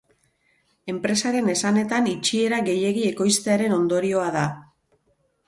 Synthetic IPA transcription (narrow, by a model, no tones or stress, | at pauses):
e̞mpɾe̞saɾe̞ne̞sane̞t̪anit͡ʃie̞ɾaɣe̞je̞ɣie̞ko̞jst̪e̞aɾe̞no̞nd̪o̞ɾio̞aða